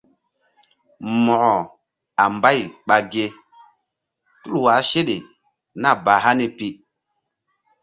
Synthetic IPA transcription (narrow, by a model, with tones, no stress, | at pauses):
mɔ˨ʔɔ˨ | a˨mba˦˨jɓa˨ɡe˦ | tu˦lwa˨˦ʃe˦ɗe˨ | na˦˨ba˨ɦa˦ni˦pi˦